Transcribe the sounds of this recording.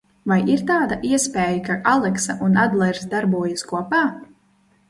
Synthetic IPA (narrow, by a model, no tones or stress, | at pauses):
vajʔiɾt̪aːd̪aʔiɛspʲeːjakaʔalˠɛksaʔunad̪lˠɛɾsd̪aɾbuɔjaskuɔpaː